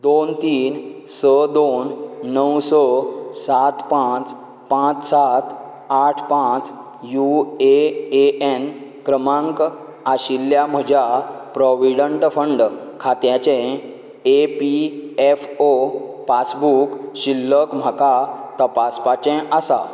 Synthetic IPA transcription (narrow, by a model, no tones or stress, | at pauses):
d̪ont̪iːnsəd̪onːəwsɔsat̪pãt͡s | pãt͡ssat̪ | aʈʰpãt͡s | jueeenkɾəmãŋk | aɕilːjam̤əd͡ʑapɾɔʋiɽəɳʈfəɳɖkʰat̪jat͡ɕẽ | epiefopasbukɕilːəkm̤ʱakat̪əpaspat͡ɕɛ̃ʔasa̰